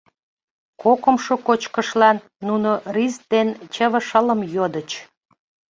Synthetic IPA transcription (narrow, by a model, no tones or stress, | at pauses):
kokəmʃokot͡ɕkəʃlɑnːunorisd̪ent͡ɕəβə̆ʃələmjod̪ət͡ɕ